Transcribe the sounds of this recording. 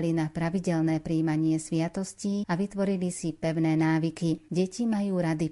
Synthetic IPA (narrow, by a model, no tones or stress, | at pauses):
linapɾaʋiɟɛlnɛːpɾiːmaɲɪɛsʋɪat̪ɔsciːaʋit̪ʋɔɾilisipɛʊnɛːnaːʋikiɟɛcimajuːɾad̪i